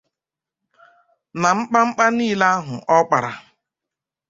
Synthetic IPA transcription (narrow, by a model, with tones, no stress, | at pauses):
na˨ŋ͡m̩˦k͡pa˦ŋ͡m̩˦k͡pa˦niː˦la˦a˦ɦʊ˨ʔɔ˦k͡pa˨ɾa˨